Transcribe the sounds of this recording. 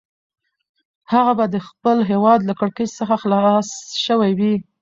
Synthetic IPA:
haɣabad̪əxpəlɦewɑd̪lakəɽkət͡ʃsəxaxlɑsʃəwajwi

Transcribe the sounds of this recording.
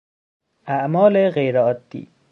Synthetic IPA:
æʔmɒːleɣejɾeɒːd̪ːḭː

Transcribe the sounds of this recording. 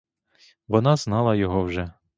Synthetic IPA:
ʋɔnɑz̥nɑlˠɐjɔɦɔwʒɛ

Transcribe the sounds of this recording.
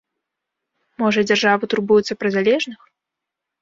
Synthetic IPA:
mɔʐɐd͡zʲarʐavɨt̪urbujut̪sːɐpɾɨzʲalʲɛʐnɨx

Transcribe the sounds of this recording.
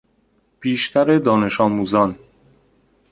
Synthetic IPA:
b̥iːʃt̪ʰæɾe̞d̪ɒːne̞ʃɒːmuːzɒn

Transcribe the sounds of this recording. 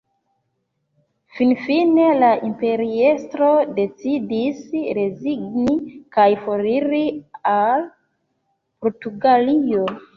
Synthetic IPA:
finfine̞laʔimpe̞ɾie̞stɾo̞de̞t͡sidisɾe̞ziɡnikajfo̞ɾiɾial | poɾtuɡalio̞

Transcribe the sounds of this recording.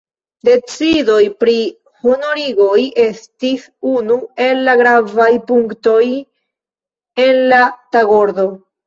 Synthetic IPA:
de̞t͡sido̞jpɾi | honoɾiɡo̞je̞stis | unue̞lːaɡɾavajpuŋkto̞j | e̞nlataɡo̞ɾdo̞

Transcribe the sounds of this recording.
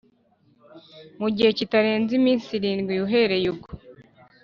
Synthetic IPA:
muɟihe̞citaɾe̞ːnzimiːnsiɾiːnɡwijuɦe̞ɾe̞juɡo

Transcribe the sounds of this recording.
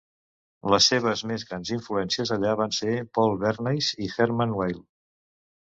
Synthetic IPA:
ləsːeβ̞əzmezɣɾanziɱfluɛnsiəzəʎaβansepɔlˠβɛɾnejzixɛɾmənwejlˠ

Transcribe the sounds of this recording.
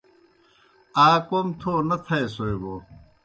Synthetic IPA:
aːkomt̪ʰoːnɐt̪ʰɐesoeboː

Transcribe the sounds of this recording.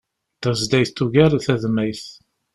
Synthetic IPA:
d̪æzd̪æjθt̪ːuʝæɾθæðmæjθ

